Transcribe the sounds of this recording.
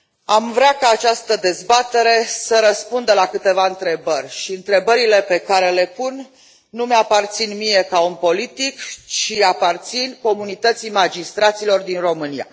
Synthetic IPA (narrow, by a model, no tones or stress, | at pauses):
amvɾakaːt͡ʃast̪əd̪e̞zbat̪e̞ɾe̞səɾəspund̪əlakɨt̪e̞vaɨnt̪ɾe̞bərʲʃiɨnt̪ɾe̞bəɾile̞pe̞kaɾe̞le̞punː | umeapart̪sinmije̞kaunpo̞lit̪ikt͡ʃiapart̪sinko̞munit̪ət̪simad͡ʒist̪ɾat̪silo̞rd̪inro̞mɨnija̰